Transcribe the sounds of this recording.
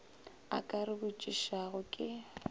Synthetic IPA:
a̰kʼarɪbʊt͡ʃʼiʃaɣʊkʼɪ

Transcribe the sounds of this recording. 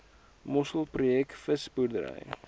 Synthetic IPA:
mɔsəlˠprujɛkfəsburdəɾə̰j

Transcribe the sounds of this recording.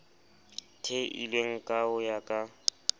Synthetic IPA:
tʰeʔḭlweŋ̩kʼaʊjakʼa

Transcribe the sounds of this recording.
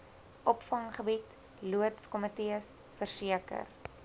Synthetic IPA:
ʔɔpfɐŋχəbit | luətskɔmətiəs | fərsiəkə̰r

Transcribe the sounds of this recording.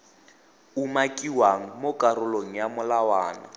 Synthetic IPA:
umakʼiwaŋ̩mokʼarʊloŋ̩jamʊlawaːna̰

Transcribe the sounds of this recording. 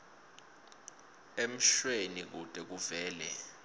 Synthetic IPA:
em̩ʃwenik̬ud̥ʱʼɛk̬uvɛːlɛ̰

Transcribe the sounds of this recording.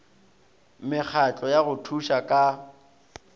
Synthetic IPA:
mɪk͡xʰat͡ɬʼɔjaɣʊtʰuʃakʼa

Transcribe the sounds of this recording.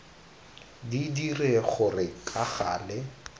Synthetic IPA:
didireχʊrɪkʼaɣaːlɛ

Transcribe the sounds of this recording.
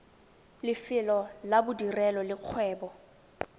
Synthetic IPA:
lɪfɪlɔlabʊdirɛlɔlɪq͡χʰwɛːbɔ

